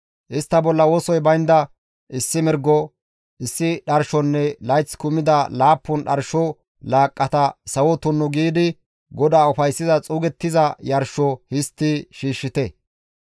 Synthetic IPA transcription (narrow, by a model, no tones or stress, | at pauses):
ʔɪst̪ːɐbɔlːɐwoːsɔjbɐjnd̪ɐ | ʔɪsːɪmɪɾɡɔ | ɪsːɪɗɐɾʃɔnːɛlɐjt͡sːkʊmːɪd̪ɐlaːpːʊnɗɐɾʃɔ | laːkʼːɐt̪ɐsɐwɔt̪ʊnːʊɡiːd̪ɪ | ɡɔd̪aːʊfɐjsːɪzɐt͡sʼuːɡɛt̪ːɪzɐjɐɾʃɔhɪst̪ːɪʃiːʃːɪt̪ɛ